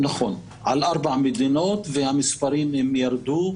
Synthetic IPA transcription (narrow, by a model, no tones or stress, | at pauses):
naχo̞n | ʕalʔaʁbaʕamed̪ino̞t̪vehamispaɾimhemjaɾd̪u